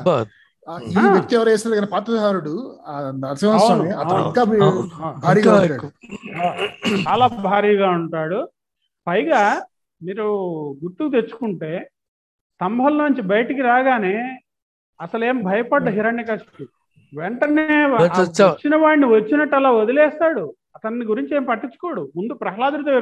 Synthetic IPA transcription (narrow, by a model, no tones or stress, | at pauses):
ijek̚t̪iɛʋɐɾɛːsɾɡɐnepaːt̪ɐd̪ɦaːɾuɽu | ɐɾsimaːɐɐneɐtɐɐiŋkaːbbʱaːɾiːaʈːaː | t͡ʃaːlaːbʱaːɾiːɡaːuɳʈaːɽu | pɐjɡaː | miːɾuɡuʈːukt̪̬eɾt͡ʃːu̥kuɳʈe̞ː | sɐmbʱɐlnoːɲt͡ʃibɐjʈikiɾaːɡaːne̞ː | ɐsɐle̞ːmbʱɐjɐpɐɖlɐɦiɾɐɳːikɐsʈi | ʋɛɳʈɐne̞ːt͡ʃt͡ʃːinɐʋaːɽniʋɐt͡ʃːinɐʈːɐlaːod̪ilɛːst̪aːɽu | ɐt̪ɐnːiɡuɾiɲt͡ʃieːmpɐʈːit͡ʃːu̥koːɽumund̪upɾɐɦɐlaːd̪uɾit̪oːiɾ